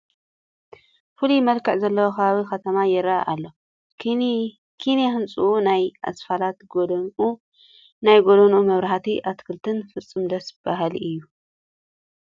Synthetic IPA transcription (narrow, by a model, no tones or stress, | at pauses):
fɨlujmɐlkʰɐʕzɐlːɐwokʰɐβaβixɐt̪ʰɐmajɪɾa̰ʔalːo̞ | kʰinexɨnt͡sʼuʔunajʔa̰sfalat̪ɡ | najɡod̪ɐnumɐβɾaħat̪ʰiʔat̪kʰɨlt̪ʰɨnfɨt͡sʼːɨmd̪ɐsb̥aɦalɨjːu